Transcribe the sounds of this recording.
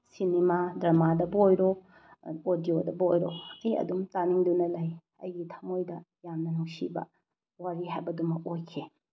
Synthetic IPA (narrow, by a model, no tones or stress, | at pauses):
sinemadɾɐmadɐbɐojɾo | odijodɐbojɾoɐjɐ̰dumtaniŋdunɐlɐj | ɐ̰jɡitʰɐ̥mojdɐ | jamnɐnuŋsḭbɐ̰ | waɾiɦajbɐdumɐojkʰe